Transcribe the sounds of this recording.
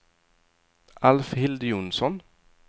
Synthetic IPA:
ʔɑlfhɪld̪juːnsɔn

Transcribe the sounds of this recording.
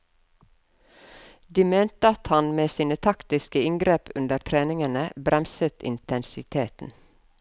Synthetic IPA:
d̪iːmeːnt̪əɑt̪hɑnmeːsiːnət̪ʰɑkt̪ɪskəɪŋɡɾeːpʰʉnd̪əɾt̪ʰɾeːnɪŋənəbɾɛmsət̪ɪ̰nt̪ʰɛnsɪt̪ʰeːt̪n̩

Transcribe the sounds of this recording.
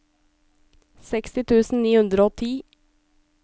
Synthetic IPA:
sɛkst̪ɪt̪ʰʉːsn̩niːhʉnd̪ɾoːt̪ʰiː

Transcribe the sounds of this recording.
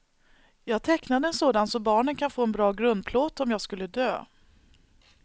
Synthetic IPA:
jɑːɡt̪ʰɛknad̪əɛnsoːd̪ant̪sɔmbɑːɳənkʰanfoːɛnbɾɑːɡɾɵnd̪̚pʰloːt̪ɔmjɑːɡskɵlːəd̪øː

